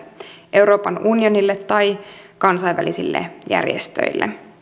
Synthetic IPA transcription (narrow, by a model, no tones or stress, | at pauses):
ʔe̞wɾo̞ːpɑnunio̞nilːet̪ːɑjkɑnsɑiʋʋæ̰lisilːḛjæ̰rjḛst̪ø̰ilːḛ